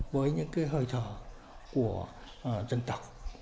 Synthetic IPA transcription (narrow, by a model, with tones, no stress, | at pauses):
vəː˨˦jɲɨ̰˧˥ŋkaː˨˦jɦəː˧˩jt̪ʰəː˧˩ | ku˧˩ə˨˩ | t͡ɕə˧ŋt̪ə˨˩wk͡p̚